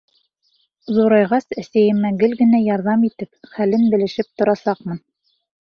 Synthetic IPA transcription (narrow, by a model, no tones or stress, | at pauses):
zuɾɑjʁɑsæsæjɘ̆mæɡɘlɡɘ̆næjɑɾðɑmit̪ɘpχælɘnbɘ̆lɘ̆ʃɘp̚t̪ŏɾɑsɑqmɤn